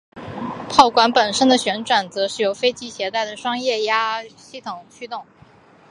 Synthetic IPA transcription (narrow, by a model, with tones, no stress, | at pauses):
pʰɑ˥˩ʊkwa˧˥npə˨˩nʂə˥nd̪ə˨ɕɥɛ˧˥nʈ͡ʂwa˨˩nt͡sɤ˧˥ʂɻ̩˥˩jo˧˥ʊfe˥ɪt͡ɕi˥ɕjɛ˧˥t̪a˥˩ɪd̪ə˩ʂwɑ˥ŋjɛ˥˩ja˥ɕi˥˩t̪ʰʊ˨˩ŋt͡ɕʰy˥t̪ʊ˥˩ŋ